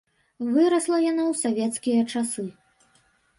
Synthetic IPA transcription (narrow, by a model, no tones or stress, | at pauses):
vɨɾɐslˠɐjanɔwsavʲɛt̪skʲijɐt͡ʂasɨ